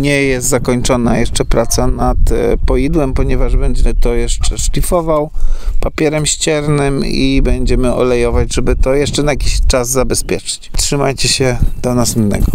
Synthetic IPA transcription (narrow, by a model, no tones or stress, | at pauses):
ɲɛjɛst̪zakɔɲt͡ʂɔnajɛʂt͡ʂɛpɾat̪sanat̪pɔjid̪wɛmpɔɲɛvaʐbɛɲd͡ʑɛt̪ɔjɛʂt͡ʂɛʂlʲifɔvawpapʲjɛɾɛmɕt͡ɕɛɾnɘmibɛɲd͡ʑɛmɘʔɔ̰lɛjɔvad͡ʑʐɛbɘt̪ɔjɛʂt͡ʂɛnajakʲiɕt͡ʂazzabɛspʲjɛt͡ʂɘ̥t͡ɕtʂɘmajt͡ɕɛɕɛd̪̥ɔnasinːɛ̰ɡɔ